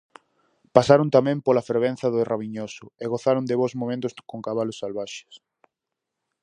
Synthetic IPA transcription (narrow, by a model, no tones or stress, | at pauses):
pasaɾʊnt̪amɛ̃mpolafeɾβẽn̟θɐðʊeraβiɲosʊeɣoθaɾond̪ɪβozmõmẽnt̪ʊskoŋkaβalʊsːalβaʃe̥s